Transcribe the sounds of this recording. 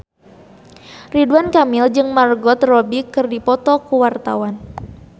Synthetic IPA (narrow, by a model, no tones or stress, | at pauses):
riduankamild͡ʒɨŋmarɡɔt̪rɔbikɨrdipɔt̪ɔkuwart̪a̰wan